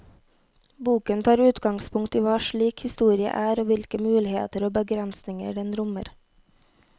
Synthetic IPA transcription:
buːkənt̪ʰɑːɾʉːt̪ɡɑŋspʰʊŋt̪iːʋɑːʃɭiːkhɪst̪uːɾɪə̰ʔæːɾoːʋɪlkəmʉːlɪhḛːt̪əɾoːbəɡɾɛnsnɪŋə̰ɖɛnɾʊmə̰ɾ

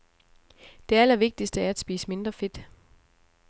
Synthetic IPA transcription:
d̥e̝ælɐʋe̝ɡ̥̚d̥isd̥əæɐæd̥sb̥ḭːsə̥me̝nd̥ʁɐfe̝d̥

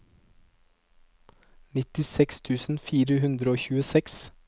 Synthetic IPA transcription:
nɪt̪ɪsɛkst̪ʰʉːsn̩fiːɾəhʉnd̪ɾəoːçʉːəsɛks

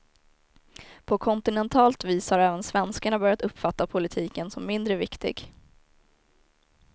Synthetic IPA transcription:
pʰɔkʰɔnt̪ɪnɛnt̪ʰɑːlt̪viːshaɾɛːvənsvɛnskaɳabœɾjat̪ɵpːfat̪ːapʰʊlɪt̪ʰiːkənsɔmːɪnd̪ɾəvɪkt̪ɪ̰ɡ

